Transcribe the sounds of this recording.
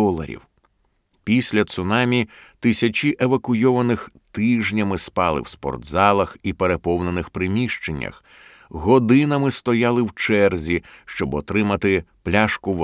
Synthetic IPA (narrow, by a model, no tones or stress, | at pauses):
ɔlˠɐ̰ɾʲḭw | pʲisʲlʲɐt̪sʊnɑmʲit̪ɪsʲɐt͡ʃʲiʔeʋɐkʊjɔʋɐnɪxt̪ɪʒnʲɐmɪspɑlˠɪ̰wspɔ̰rd̪zɑlˠɐxipeɾepɔwnenɪxpɾɪmʲiʃt͡ʃenʲːɐ̰x | ɣɔd̪ɪnɐmɪst̪ɔjalˠɪwt͡ʃɛrzʲiʃt͡ʃɔbɔt̪ɾɪmɐt̪ɪplʲaʃkʊʋ